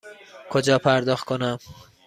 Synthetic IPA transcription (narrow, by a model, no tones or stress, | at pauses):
kʰod͡ʒɒːpʰæɾd̪ɒːxt̪̚kʰonæm